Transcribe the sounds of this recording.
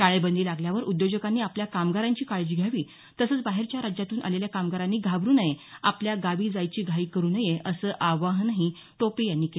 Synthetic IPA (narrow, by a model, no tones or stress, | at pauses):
kaɭebənd̪iːlaɡljaʋəɾʔud̪jod͡ʑəkanːiːapljakamɡaɾaɲt͡ɕiːkaɭd͡ʑiːɡʱjaʋiː | t̪əsəːt͡sbaɦeɾt͡ɕjaɾad͡ʑjat̪uːnʔa̰leljakamɡaɾanːiːɡʱabɾuːnəjeapljaɡaʋiːd͡zajt͡ɕiːɡʱaiːkəɾuːnəjeʔəsəːʔaʋaɦnaɦi | t̪opejanːiːke